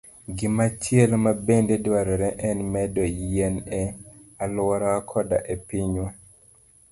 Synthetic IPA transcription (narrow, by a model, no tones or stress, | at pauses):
ɡɪmat͡ʃɪelmabendedwaɾɔɾɛʔɛnmɛdɔjenealwɔɾɔakʰɔda̰ʔepiɲwɛ